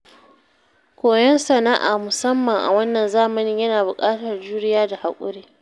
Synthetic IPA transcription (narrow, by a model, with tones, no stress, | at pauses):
kʷoː˨jɛ˦nsɐ˨na˦ʔaː˨mʊ˨sɐ˦mːɐ˨ŋʔa̰˨wɐ˦nːɐ˨nzaː˦mɐ˦nɪ˦jɐ˦naː˨bʊ˨kʼaː˦tɐ˨rd͡ʒuː˦ɾɪ˦jaː˦da˨ha˨kʷʼʊ̰˦ɽeː˦